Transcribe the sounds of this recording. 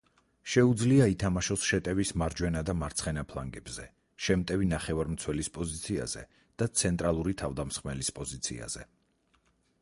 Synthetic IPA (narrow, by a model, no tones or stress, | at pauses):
ʃɛud̪zliait̪ʰamaʃɔsʃɛt̪ʼɛvismaɾd͡ʒwɛnad̪amaɾt̪sʰχɛnapʰlˠaŋɡɛb̥zɛ | ʃɛmt̪ʼɛvinaχɛvaɾmt̪sʰwɛlispʼɔzit̪sʰia̰zɛ̰ | d̪̥at̪sʰɛnt̪ʼɾalˠuɾit̪ʰavd̪amsχmɛlispʼɔzit̪sʰḭa̰z̥ɛ̰